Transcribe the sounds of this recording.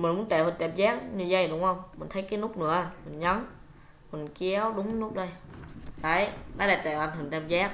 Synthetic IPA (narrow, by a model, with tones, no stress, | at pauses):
mï˨˩nmu˨˦ə˦nt̪ɛː˧˩hə˨˧˩nt̪a˧˩mzaː˦˥k̚ɲɨ˧zə˧˩jɗʊ˨˦wŋ͡mhə˧wŋ͡mmï˨˩ŋ̟t̪ʰə˨˦jkaː˨˦nʊ˦˥k͡p̚nɨ̰˧˩˦əmï˨˩nɲə˨˦n | mi˨˩nki˧˦əwɗʊ˨˦wŋ͡mnʊ˦˥k͡p̚ɗə˧jt̪aː˨˩jnaː˨˦laː˨˩t̪aː˧˩ʔa˨˧˩n̟hɨ˨˩ŋt̪a˧˩mzaː˦˥k̚